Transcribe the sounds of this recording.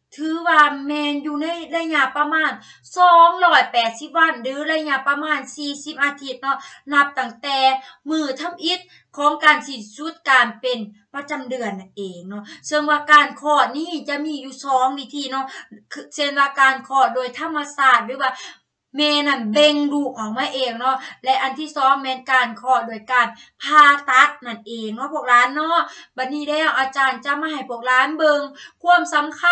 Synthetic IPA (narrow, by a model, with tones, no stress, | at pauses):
t̪ʰɯː˨˧˦waː˧mɛː˧njuː˧na˧˥˨jla˧˨ɲa˧˨ʔpa˧maː˧˥˨n | sɔː˨˦ŋlɔː˧˩jpɛː˨˩t̪̚si˧˦˥p̚wa˧˥˨ndɯː˧˦la˧˨jɲa˧˨pa˧maː˧˥˩nsiː˧si˧˥p̚ʔaː˧t̪ʰi˧˩t̪̚nɔ˧˥na˧p̚t̪a˧˩ŋt̪ɛː˧˩mɯː˧˩t̪ʰa˧˥˨mʔi˧˦˥t̪̚ | kʰɔː˨˦ŋkaː˨˩nsi˧˩nsu˧˥˦t̪̚kaː˨˩npe˨n | pa˧t͡ɕa˧˨mdɯ˨˩ənːa˧nʔeː˨˩ŋnɔ˧˥sɤ˧˨ŋwaː˧kaː˧nkʰɔː˧˩niː˧˥˨t͡ɕa˧ʔmiː˧˥˨juː˧˩sɔː˨˦ŋwiː˧t̪ʰiː˧nɔ˧˥˨kʰːse˧˩nwaː˧˩kaː˨˧nkʰɔː˧˩doː˧˨jt̪ʰa˧˥˨mːa˧saː˧˩t̪̚bɛː˧˥waː˧˩ | mɛː˧na˧˩nbe˧ŋduː˧˩k̚ʔɔː˨˩k̚maː˧˥˨ʔeː˨˧˩ŋnɔ˧˥lɛ˦˧˥ʔa˨˧˨nt̪ʰiː˧˥˩sɔː˨˦ŋmɛː˧nkaː˧nkʰɔː˧˩doː˧jkaː˧npʰaː˧˩t̪a˦˥t̪̚na˧˩nʔeː˨ŋnɔ˧˥pʰu˧˩k̚laː˨˦˥nːɔ˧˥˨ba˧˩t̪̚niː˧˥˩lɛː˧˥˩wʔaː˧˩t͡ɕaː˧nt͡ɕa˧˦maː˧ɦa˨˩jpʰu˧˩ək̚laː˨˦˥nbɤ˧ŋkʰu˧˥˨əmsa˨˦mkʰ